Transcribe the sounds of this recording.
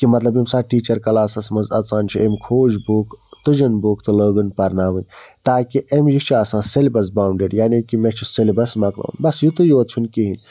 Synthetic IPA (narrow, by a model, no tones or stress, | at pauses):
kimɐt̪lɐbimsaːʈiːt͡ʃɐɾkɐlaːsɐsmɐzɐt͡saːnʲt͡ʃʰuemkʰoːd͡ʒbukt̪ɨd͡ʒɐnbuːkt̪ɨləːɡɨnpɐɾnaːʋɨnʲt̪aːkiʔemjit͡ʃʰiaːsãːselibɐs̬baːɳɖeːɖjaːnikimet͡ʃʰiselibɐsmɐklɐ̰ːnbɐsjut̪ujuɐt̪̚t͡ʃʰunkiɦin